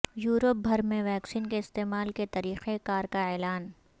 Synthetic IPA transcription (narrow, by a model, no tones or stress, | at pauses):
juːɾəp̚bʱɐɾmẽʋɛːksiːnkeɪst̪eːmaːlket̪ɐɾiːqekaːɾkaɛːlaːn